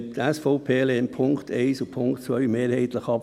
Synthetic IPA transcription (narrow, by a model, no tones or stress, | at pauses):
t̪æsfoʊpʰeːleːnpʰʊŋkt̪ʰɛɪsʊpʰʊŋktt͡sʋœɥmeːɾhɛɪt̪ləχɑp